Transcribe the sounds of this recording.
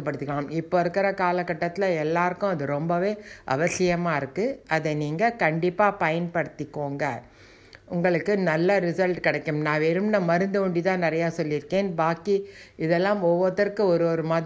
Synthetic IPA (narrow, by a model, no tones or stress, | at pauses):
ɐpːɐɽɯt̪ːɯkːɐɭaːmɪpːoɪɾɯkːɪɾɐkaːlɐkːɐʈːɐt̪ːɪlɐɛlːaːɾɯkːʊ̃ɐðɯɾɔmbɐʋeːʔɐ̰ʋɐsɪjɐmaːɪɾɯkːɯɐðɛniːŋɡɐkɐɳɖɪpːaːpɐjɐnpɐɽɯt̪ːɪkːoːŋɡɐ̰ | ʊŋɡɐɭɯkːɯnɐlːɐɾɪsɐlʈkɪɽɐɪkːɯmnãːʋeɾɯmnɐmɐɾɯnd̪ɯʋɐɳɖit̪ãːnɪɾɐjaːsɔlːɪɾɯkːeːnbaːkiɪðɛlːaːmɔʋːɐðɐɾkɯɔɾɯɔɾɯmɐð